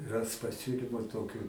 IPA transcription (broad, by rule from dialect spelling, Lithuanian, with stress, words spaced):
ˈrɐs pɐˈsʲʊlʲɪmʊ ˈtoːkʲʊ